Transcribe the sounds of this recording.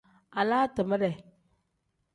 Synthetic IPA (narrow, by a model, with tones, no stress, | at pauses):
a˨la˦tə˨mə˦ɾɛ˨